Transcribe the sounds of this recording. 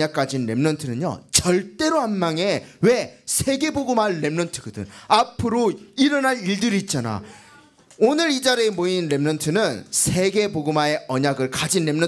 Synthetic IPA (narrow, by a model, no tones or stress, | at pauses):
ak͈ad͡ʑinɾe̞mnʌntʰɯnɯɲo̰t͡ɕʌɭt͈e̞ɾoɦanmaŋe̞we̞sʰe̞ɡe̞boɡɯmanːe̞mnʌntʰɯɡɯdɯ̰napʰɯɾoiɾʌnaɾiɭdɯɾiːt̚t͡ɕ͈ana̰ | onɯɾid͡ʑaɾeemoinɾe̞mnʌntʰɯnɯnsʰe̞ɡe̞boɡɯmae̞ʌɲaɡɯɭkad͡ʑinɾe̞mnʌ